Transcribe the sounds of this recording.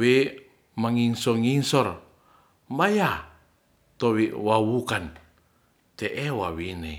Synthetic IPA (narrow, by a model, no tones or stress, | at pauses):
wi | maŋiŋsɔŋiŋsɔr | mbaja | t̪owiwawukan | t̪eʔewawine